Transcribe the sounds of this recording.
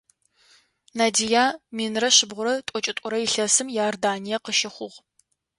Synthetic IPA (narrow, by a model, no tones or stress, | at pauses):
naːdijaːmiːnrɐɕɪbʁʷʊɾɐtʼɔt͡ʃʼɪtʼʊɾɐɪɬɐsɨmjaːrdaːnijɛqəʃɪχʷʊʁ